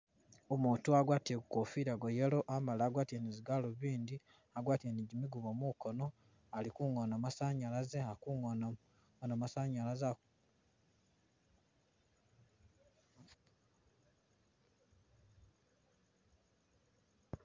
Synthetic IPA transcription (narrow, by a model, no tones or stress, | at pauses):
omuːtuaɡwaːtekukofiɾaɡojelo̞ʔamalaːɡwaːtieniziɡaloβiːndi | aɡwaːtieniɟimiɡuβomukono̞ | alikuŋonamasaɲalazeakuŋona | onamasaɲalaza